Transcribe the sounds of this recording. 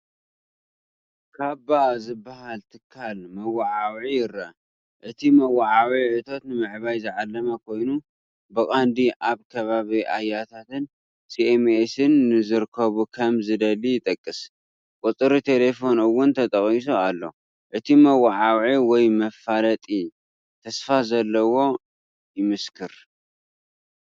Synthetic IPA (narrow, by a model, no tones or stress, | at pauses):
kʰabazɨbːahalt̪ʰɨkʰːalmɐwaʕawʕijɪɾɐ | ʔɨt̪ʰimɐwaʕawiʕɨt̪ʰo̞t̪nɨmɨʕβajzɨʕalːɐmɐkʰo̞jnu | bɨkʼand̪iʔaβkʰɐβaβiʔa̰jːat̪ʰat̪ɨn | siemesɨnːɨzɨɾkʰːɐβukʰɐmzɨd̪ɐlijɪt̪ʼɐkʼːɨs | kʼʊt̪ʼɨɾit̪ʰe̞le̞fo̞nɨwːʊnt̪ʰɐt̪ʼɐχʼis̬oalːo̞̰ | ʔɨt̪ʰimɐwaʕawʕiwɔjmɐfalɐt̪ʼi | t̪ʰɐsfazɐlːɐwo̞ | jɪmɨskʰɨɾ